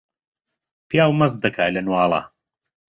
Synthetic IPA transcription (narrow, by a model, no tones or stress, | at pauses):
pʰjaːwmɐz̚d̪ɐkʰaːlɐnwɑːlˠa̰